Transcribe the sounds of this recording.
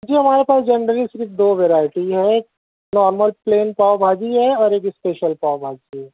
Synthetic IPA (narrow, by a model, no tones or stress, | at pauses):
d͡ʒiːɦɐmaːɾepaːsd͡ʒɐnɾəlisɪɾkd̪oːʋeɾaːɪʈiɦɛ | nɔːɾməlpleːnpaːbʱaːd͡ʒiɦɛɔːɾeːkɪspeːʃəlpaːbʱaːd͡ʒiɦɛː